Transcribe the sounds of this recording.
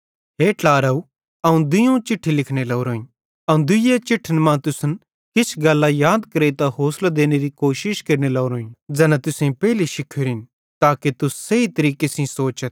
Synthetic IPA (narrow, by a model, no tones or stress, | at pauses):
ɦeːʈaːɾɐu | ɐũd̪ʊjõt͡ʃɪʈʰːilɪkʰnelɐʊɾoːĩ | ɐũd̪ʊet͡ʃɪʈʰːənmãt̪ʊsən | kɪsʰɡɐlːajaːd̪kɐɾet̪aɦoːslad̪eːneɾikoːʃɪʃkɐɾnelɐːɾoːĩd͡ʒɛːnãt̪ʊsẽpɛːliʃɪkʰːeɾɪn | t̪aːket̪ʊsːɐit̪ɐɾiːkesĩsoːt͡ʃət̪̚